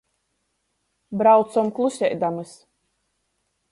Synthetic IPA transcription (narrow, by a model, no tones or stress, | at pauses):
bɾawt̪sɔmklˠusʲɛjd̪amɨs